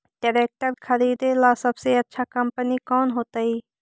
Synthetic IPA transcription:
ɖɪɾeːk̚ʈəɾkʰɐɾiːd̪elaːsɐbseɐtːʃʰakɐmpənikɔːnɦoːt̪aiː

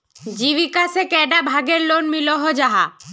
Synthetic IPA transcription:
d͡ʒiʋikasɛkɛɖabʱaɡeɾlonmilɔɦɔd͡ʒaɦa̰

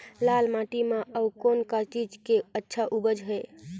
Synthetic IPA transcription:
lalmãʈimeəukonkat͡ʃid͡ʒkeətːʃʰaʔubəd͡ʒɦɛ

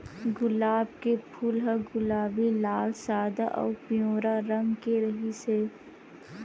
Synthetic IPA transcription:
ɡʊlaːb̚kepʰuːlɦɐɡʊlaːbilaːlsaːd̪aʔɔ̰ːpijõːɾaɾɐ̃ŋɡkeɾɐɦiseː

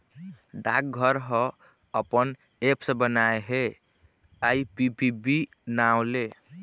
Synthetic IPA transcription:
ɖak̚ɡʱəɾɦə̃ | əpən | epsə̃bənaeɦe | aipibibi | naʊle

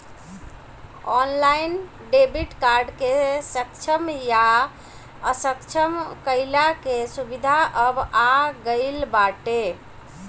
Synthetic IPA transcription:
ɔnlajn | ɖebiʈkaɾɖkesəkt͡ʃʰəmja | əsəkt͡ʃʰəmkəɪlakesubid̪ʱaʔəbaɡəɪlbaʈe

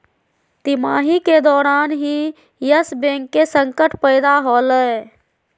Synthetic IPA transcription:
t̪imaɦiked̪ɔːɾaːnɦĩ | jəsbẽŋkːesəŋkəʈpəjd̪aɦoləj

